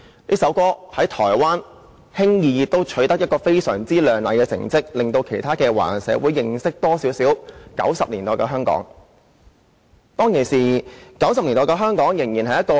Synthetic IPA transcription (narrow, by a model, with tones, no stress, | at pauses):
liː˥sɐ˨˥wkɔː˥hɐ˨˥jt̪ʰɔː˨˩jwaː˥n | hɪ˥ŋjiː˨˧jɪ˨˧k̚t̪o˥wt͡ʃʰɵ˨˧˥t̪ɐ˥k̚jɐ˥t̚kɔː˧fe˥jsœː˨˩ŋt͡siː˥lœː˨ŋlɐ˨jkɛː˧sɪ̰˨˩ŋt͡sɪ˥k̚lɪ˨ŋt̪o˧wkʰe˨˩jt̪ʰaː˥kɛː˧wa̰ː˨˩nsɛ̰ː˨˥wuː˨˧jːɪ˨ŋsɪ˥k̚t̪ɔː˥siː˨˥wsiː˨˥wkɐ̰˨˥wsɐ˨p̚liː˨˩nt̪ɔː˨˩jkɛː˧ɦœː˥ŋkɔ̰ː˨˥ŋ | t̪ɔː˥ŋkʰe˨˩siː˨kɐ˨˥wsɐ˨p̚li˨˩nɔː˨jkɛː˧ɦœː˥ŋkɔː˨˥ŋjɪ˨˩ŋjiː˨˩nɦɐ˨jɐ˥tkɔː˧